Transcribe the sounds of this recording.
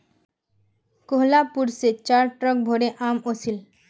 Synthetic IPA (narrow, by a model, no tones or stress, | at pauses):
koɦlapuɾset͡ɕaɾʈɾɔk̚bʱoɾeʔamosil